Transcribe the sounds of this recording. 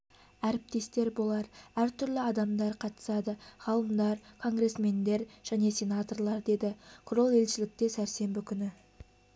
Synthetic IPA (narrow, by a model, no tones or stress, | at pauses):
æɾɪp̚t̪e̞st̪e̞ɾbo̞lˠɑɾæɾt̪ʰʏɾlɪɑd̪ɑmd̪ɑɾqʰɑt̪ə̥sɑd̪əʁ̥ɑlˠəmd̪ɑɾkʰo̞ŋɡre̞sme̞nd̪e̞ɾʒ̥æne̞sʲe̞nɑt̪o̞rlˠɑɾd̪e̞d̪ɪkʰʊro̞lˠe̞lʃɪlɪk̚t̪e̞sæɾse̞mbɪkʲʰʏnɪ